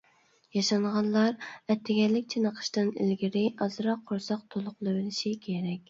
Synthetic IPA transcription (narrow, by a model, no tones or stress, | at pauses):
jɑʃɑɴʁɑnlˠɑɾɛt̪ʰːɪɡʲɛlːɪkʲt͡ʃʰenəqʰə̥ʃt̪ɨnḭlɡʲiɾɪʔɑzɨɾɑqʰːoɾsɑq̚t̪ʰolˠʊqlˠɨwɪlɪʃikʲʰeɾɛkʲ